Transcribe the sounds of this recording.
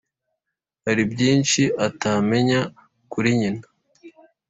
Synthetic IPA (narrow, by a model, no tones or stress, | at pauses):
haɾibɟiːnʃiʔatame̞ɲa | kuɾiɲina